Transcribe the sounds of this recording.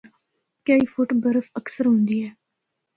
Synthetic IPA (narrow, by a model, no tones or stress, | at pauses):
kəiːfʊʈːbəɾəfəksəɾɦõːnd̪iːɦɛː